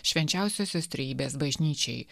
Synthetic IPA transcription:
ʃʲʋʲɛnʲt͡ʃʲæˑʊsʲoːsʲoːst̪ʲɾʲɛjiːbʲeːs̬bɐʒʲnʲiːt͡ʃʲɛɪ

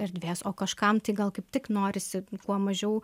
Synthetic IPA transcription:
ɪɾd̪ʲʋʲeːsoːkɐʃkɐmt̪ɐɪɡɐlˠkɐɪp̚t̪ʲɪknoːɾʲɪsʲɪkuɔmɐʒʲɛʊ

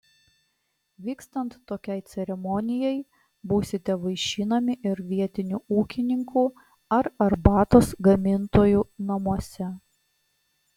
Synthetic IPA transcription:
ʋʲiːkst̪ɐnt̪ːoːkʲɛɪt̪sʲɛɾʲɛmɔnʲɪjɛj | buːsʲɪt̪ʲɛʋɐɪʃʲiːnɐmʲɪʔɪɾʋʲiɛt̪ʲɪnʲuːˑuːkʲɪnʲɪŋkuː | ɐɾɐɾbɑːt̪oːsɡɐmʲɪnt̪oːjuːnɐmuɔsʲɛ

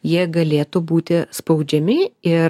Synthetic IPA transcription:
jiɛɡɐlʲeːt̪ubuːt̪ʲɪspɐʊd͡ʒʲɛmʲɪɪ

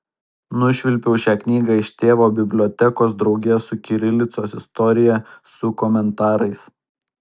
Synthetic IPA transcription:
nʊʃʲʋʲɪlʲpʲɛʊʃʲæːknʲiːɡɑɪʃʲt̪ʲeːʋoːbʲɪbʲlʲɔːt̪ʲɛkoːsd̪ɾɒʊɡʲɛsʊkʲɪɾʲɪlʲɪt̪soːsɪst̪ɔɾʲɪjɛsʊkɔmʲɛnt̪ɑːɾɐɪs

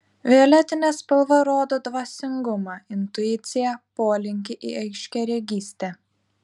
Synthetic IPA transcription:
ʋʲɪɔlʲɛt̪ʲɪnʲɛspɐlˠʋɐɾoːd̪oːd̪ʋɐsʲɪŋɡʊmɑːɪnt̪ʊɪt̪sʲɪjɛpoːlʲɪŋʲkʲɪʔɪ̰ɐɪʃʲkʲɛɾʲɛɡʲiːsʲt̪ʲɛ

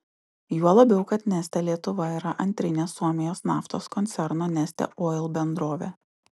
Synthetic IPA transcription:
juɔlˠɐbʲɛʊkɐt̪nʲæsʲt̪ʲɛlʲiɛt̪ʊʋɐiɾɐʔɐnʲt̪ʲɾʲɪnʲeːsːuɔmʲɪjoːsnɑːft̪oːskɔnʲt̪sʲɛɾnoːnʲæsʲt̪ʲɛ̰ʔoːɪlˠbʲɛnd̪ɾoːʋʲḛː

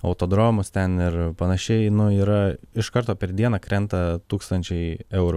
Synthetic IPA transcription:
ɐʊt̪oːd̪ɾoːmʊst̪ʲɛnɪɾpɐnɐʃʲɛɪnʊiːɾɐɪʃkɐɾt̪oːpʲɛɾd̪ʲiɛnɐkɾʲɛnt̪ɐt̪uːkst̪ɐnʲt͡ʃʲɛɪɛʊɾʊ

